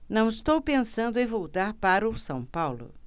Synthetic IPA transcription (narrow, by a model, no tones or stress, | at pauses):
nɐ̃w̃ɪst̪owpẽsɐ̃nd̪ʊẽvowt̪aɾpaɾʊsɐ̃w̃pawlʊ̰